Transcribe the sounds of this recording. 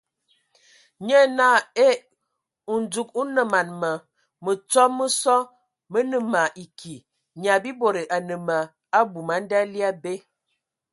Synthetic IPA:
ɲə˦na˦˨e˦ | u˨n˨d͡zu˨ku˦nə˨ma˨nmə˨ | mə˨t͡sɔ˦mə˦sɔ˦ | mə˦nə˨ma˨ʔi˨kʰi˨ | ɲa˨bi˦bo˨ɾe˨ʔa˨nə˨ma˨ | a˦bu˨ma˨˦n̩˦da˦li˦a˦be˦

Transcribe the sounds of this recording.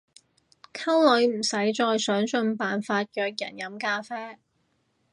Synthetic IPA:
kʰɐ˥wlɵ˨˧jm̩˨˩sɐ˨˥jt͡ʃɔː˧jsœː˨˥ŋsɵ˧npaː˨nfaː˧t̚jœː˨˧k̚jɐ̰˨˩njɐ˨˥mkaː˧fɛː˥

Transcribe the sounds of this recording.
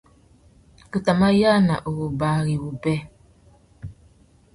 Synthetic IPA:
ku˨ta˨ma˦ja˦na̰˨ʔo˨wo˨ba˨˦ɣi˨wu˨bɛ˦

